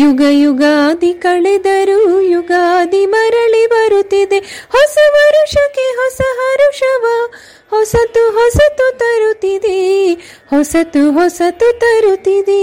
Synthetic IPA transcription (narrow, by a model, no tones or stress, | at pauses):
juɡɐjuɡad̪ikɐɭed̪ɐɾujuɡad̪imɐɾɐɭibɐɾut̪ːid̪ehɔsɐʋɐɾuʂɐkeɦɔsɐɦɐɾuʂɐʋɐ | hɔsɐt̪uɦɔsɐt̪ut̪ɐɾut̪ːid̪e | hɔsɐt̪uɦɔsɐt̪ut̪ɐɾut̪ːid̪e